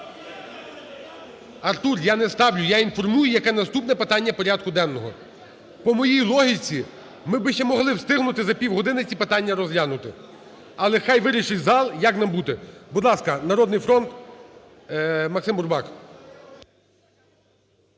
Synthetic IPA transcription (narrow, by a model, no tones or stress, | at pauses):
ɐrt̪urjanɛst̪ɑwlʲʊjainfɔrmujʊjɐkɛnɐst̪upnɛpɪt̪ɑnʲːɐpɔɾʲad̪̚kʊd̪ɛnːɔɦɔ | pɔmɔjijlˠɔɦʲit͡sʲi | mɪbɪʃt͡ʃɛmɔɦlˠɪwst̪ɪɦnʊt̪ɪzɐpʲiwɦɔd̪ɪnɪt͡sʲipɪt̪ɑnʲːɐɾɔzɦlʲanʊt̪ɪ | ɐlˠɛxɑjʋɪɾʲiʃɪtʲzɑlˠjaknɑmbut̪ɛbʊd̪lˠɑskɐnɐɾɔd̪nɪjfɾɔnt̪ | mɐksɪmbʊrbɑk